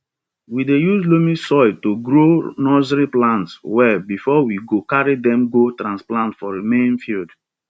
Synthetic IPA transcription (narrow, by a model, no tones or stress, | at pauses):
widejuzlomĩsɔɪtoɡɾonɔzɾiplãntswɛbifɔwiɡokaɹidɛ̃mɡotɾãnsplãntfɔɹimẽnfild